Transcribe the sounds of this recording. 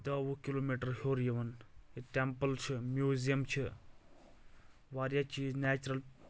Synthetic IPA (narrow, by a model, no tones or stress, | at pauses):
d̪ɐʋukiloːmiːʈɐɾhoːɾjiʋɐniʈempəlt͡ʃʰimjuːzijɐmt͡ʃʰi | ʋaːɾjat͡ʃinɛːt͡ʃɾɐl